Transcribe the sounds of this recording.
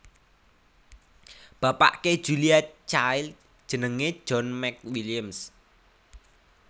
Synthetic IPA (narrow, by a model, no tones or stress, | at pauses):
b̥a̤pa̰ʔke̥ʒ̥uliat͡ʃajl | d̥ʒ̥ə̤nəŋe̥d͡ʒ̥ɔnmɛk̚wiliəms